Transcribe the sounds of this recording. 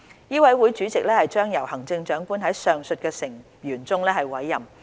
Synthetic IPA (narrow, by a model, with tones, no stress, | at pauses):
jiː˥wɐ˨˥jwu˨˥jt͡ʃyː˨˥t͡sɪ˨k̚lɛː˥hɐ˨jt͡ʃœː˥ŋjɐ˨˩whɐ˨˩ŋt͡sɪ˧ŋt͡ʃœː˨˥ŋkuː˥nɦɐ˨˥jsœː˨ŋsɵ˧t̚kɛː˧sɪ˨˩ŋ | jyː˨˩nt͡sʊ˥ŋlɛː˥hɐ˨jwɐ˨˥jːɐ˨m